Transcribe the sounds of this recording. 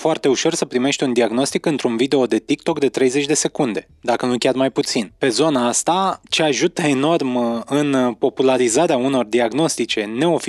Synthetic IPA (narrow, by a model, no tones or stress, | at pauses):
foart̪e̞uʃo̞rsəpɾime̞ʃt̪ʲund̪iaɡno̞st̪ikɨnt̪ɾunvid̪e̞o̞d̪e̞t̪ikt̪o̞kd̪e̞t̪ɾe̞jze̞t͡ʃʲd̪e̞se̞kund̪e̞ | d̪akənukʲarmajput̪sinpe̞zo̞naast̪at͡ʃe̞aʒut̪əe̞no̞rmɨnpo̞pulaɾizaɾeauno̞rd̪iaɡno̞st̪it͡ʃe̞ne̞o̞fi